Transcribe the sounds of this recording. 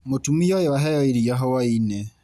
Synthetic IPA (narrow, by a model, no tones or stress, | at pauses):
motumiɔjɔaɦɛjɔiɾiaɦɔwainɛ